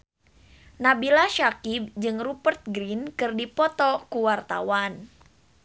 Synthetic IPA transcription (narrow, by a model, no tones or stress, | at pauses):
nabilaʃakib̚d͡ʒɨŋrupərt̪̚ɡɾinkɨrdipɔt̪ɔkuwart̪a̰wan